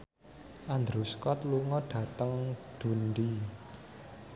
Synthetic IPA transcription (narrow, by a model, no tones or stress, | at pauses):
ʔand̪ɾuskɔt̪luŋɔɖ̥ä̤t̪əŋd̪̥ṳnɖi